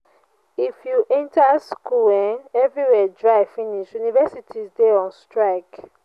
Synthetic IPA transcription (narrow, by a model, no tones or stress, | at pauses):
ifjuʔɛ̃ntaskuɛ̃nɛvɹiwɛdɹaɪfĩniʃjunivɛsitʰizdeɔ̃nstɹaɪk